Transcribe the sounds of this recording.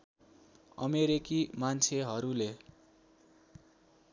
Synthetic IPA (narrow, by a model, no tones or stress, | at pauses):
ʌ̰meɾikimant͡sʰeɦʌɾule